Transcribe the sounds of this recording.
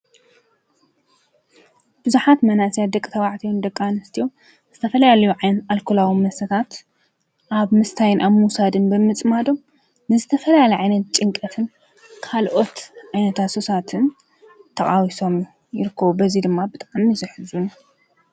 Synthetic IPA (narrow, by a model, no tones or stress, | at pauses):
b̥ɨzuħat̪manasijad̪ɐkʼit̪ʰɐβaʕt̪ʰiwund̪ɐkʼːanɐst̪ʰijo | z̥ɨt̪ʰɐfɐlɐjalɐjuʕajnɐt̪alkʰulawimɐsɐt̪ʰat̪ | ʔaβmɨst̪ʰajɪnʔaβmuwsad̪ɨnbɨmɨt͡sʼmad̪o̞mː | ɨzɨt̪ʰɐfɐljalɐjʕajnɐt̪̚t͡ʃʼɨŋkʼɐt̪ʰɨn | kʰalʔo̞t̪ʕajnɐt̪ʰasosat̪ʰɨn | t̪ʰɐχʼawiso̞m | jɪɾɨkʰːɐβubɐzid̪ɨmːabɨt̪ʼaʕmizɨħɨzunu